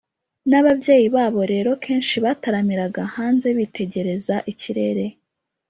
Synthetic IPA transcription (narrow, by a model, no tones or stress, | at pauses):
naβabɟe̞ːjiβaːβo̞ɾe̞ːɾo̞kʰe̞ːnʃiβataɾamiɾaɡahaːnze̞βitʰe̞ɟe̞ɾe̞zaʔiciɾe̞ɾe̞